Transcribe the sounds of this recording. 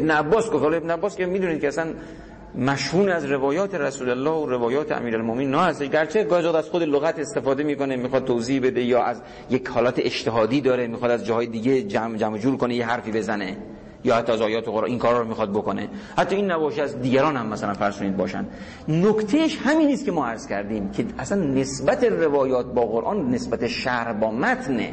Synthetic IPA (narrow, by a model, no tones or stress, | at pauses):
ebneæbːɒːsɡoft̪hɔlɒebneæbːɒːskʲemiːd̪uːnid̪̚kʲeæsæn | mæʃhuːneæzɾe̞vɒːjɒːt̪ʰeɾæsuːlælːɒːhoɾevɒːjɒːt̪ʰeæ̰miːɾælmominːɒːhæst̪eʃɡæɾt͡ʃʰe̞ɡɒːjæzɑd̪æz̥xod̪eloɣæt̪est̪e̞fɒːd̪emiːkonemiːxɒd̪̚t̪ʰːoziːhbe̞d̪e̞jɒːʔæz | jekhɒːlɒːt̪ʰeʔeʃt̪ʰeɦɒːd̪iːd̪ɒːɾemiːxɒd̪æzd͡ʒɒːhɒːjed̪iːɡed͡ʒæmd͡ʒæmod͡ʒuːɾkonejeɦæɾfiːbe̞zæne | jɒːhæt̪ːɒːæzɒːjɒːt̪eɣoɾɑ̰niːnkʰɒːɾhɒːɾomiːxɒd̪̚bokonḛhæt̪ːɒːinːæbɒːʃeæzd̪iːɡæɾɒːnhæmːæsælænfæɾz̥ʃoniːd̪̚bɒ̰ːʃæ̰nd̪ | nokt̪ʰejeʃhæminiːst̪kʲemɒːæɾz̥kʲʰæɾd̪iːmkʰeʔæsænːesbæt̪ʰerevɒːjɒːt̪̚bɒːɣoɾʔɒːnːe̞sbæt̪ʰe̞ʃæɾbɒːmæt̪ʰnḛ